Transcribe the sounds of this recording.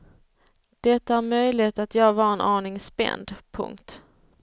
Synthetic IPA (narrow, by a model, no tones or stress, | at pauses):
d̪̥ɛt̪ːahæɾmœjlɪhet̪at̪jɑːɡvɑːɾɛnʔɑːɳɪŋspɛ̰nd̪pʰɵ̰ŋkt̪